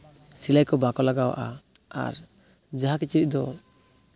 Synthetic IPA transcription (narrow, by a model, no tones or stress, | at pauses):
silajkɔbakɔlaɡawa̰ʔa | a̰ɾ | d͡ʒaɦakit͡ʃiɾic̚d̪ɔ